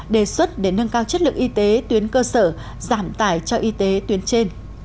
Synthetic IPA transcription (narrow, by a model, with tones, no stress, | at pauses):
ɗe˨˩swə˦˥t̚ɗe˧˩nə˧ŋkaː˧wt͡ɕə˦˥t̚lɨ̰˨˩k̚ʔi˧t̪e˨˦t̪wi˨˦ənkəː˧səː˧˩ | zaː˧˩mt̪a̰ː˧˩jt͡ɕɔ˧ʔi˧t̪e˨˦t̪wi˨˦ənt͡ɕe˧n